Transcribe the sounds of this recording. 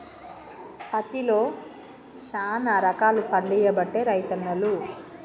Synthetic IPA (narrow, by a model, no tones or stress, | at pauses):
pɐt̪ilo̞ː | ʃaːnaɾɐkaːlupɐɳɖɛjɐbɐʈːeːɾɐjt̪ɐnːɐlu